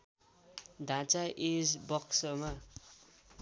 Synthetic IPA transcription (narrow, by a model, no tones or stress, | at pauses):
d̪ʱãt͡saʔed͡zbʌksʌma